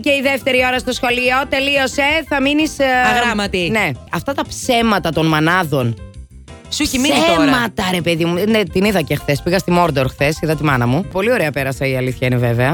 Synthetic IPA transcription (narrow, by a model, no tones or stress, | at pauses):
ceiðeft̪e̞ɾio̞ɾɐst̪o̞sxo̞liot̪e̞lio̞se̞θɐminisɐɣɾɐmɐt̪ine̞ɐft̪ɐt̪ɐpse̞mɐt̪ɐt̪o̞nmɐnɐðo̞n | sismiemɐt̪ɐɾe̞pe̞ðimunet̪iniðɐcexθe̞spiɣɐst̪imo̞ɾd̪oɾxθe̞siðɐt̪imɐnɐmupo̞lio̞ɾeɐpeɾɐsɐiɐliθçɐineveveɐ